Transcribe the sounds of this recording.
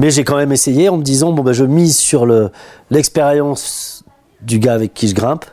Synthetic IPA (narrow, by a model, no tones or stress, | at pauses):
mɛʒɛkɑ̃mɛmesejeɑ̃məd̪izɑ̃bɔ̃baʒəmizsyʁləlɛkspeʁjɑ̃s | d̪yɡaːvɛkʰʲːiʒəɡʁɛ̃p